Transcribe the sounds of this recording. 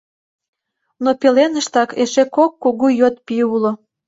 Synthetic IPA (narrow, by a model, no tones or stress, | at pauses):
nopelenəʃt̪ɑkeʃekokːuɣujøt̪piulo